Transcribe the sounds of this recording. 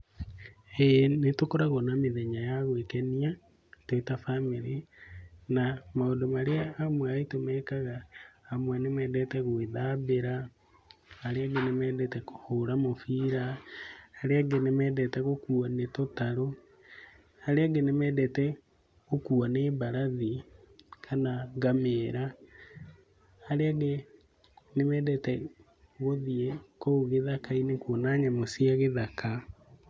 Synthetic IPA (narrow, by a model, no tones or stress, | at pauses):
enetokoɾaɣonamiðeɲajaɣwekenia | twoitafamiɾi | namaodomaɾeaːmwaitomɛkaɣaːmwanemɛːdɛtɛɣweðaβeɾaː | ɾeaɡenemɛːdɛtɛko̥hoɾamofiːɾaː | ɾeaɡenemɛːdɛtɛɣokuanetotaɾo | aɾeaɡenemɛdɛtɛ | ɣokuanebaɾaði | kʰanaɡameɾa | ɾeaɡe | nemɛːdɛtɛ | ɣoðiɛkouɣeðakainekwonaɲamosiaɣeðakʰa